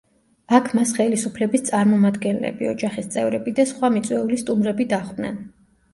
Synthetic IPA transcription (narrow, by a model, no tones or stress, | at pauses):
akʰmasχɛlisupʰlɛbist̪sʼaɾmɔmad̪ɡɛnlɛ̰bḭɔd͡ʒaχist̪sʼɛvɾɛbid̪asχwamit̪sʼwɛulist̪ʼumɾɛbid̪aχd̪nɛ̰n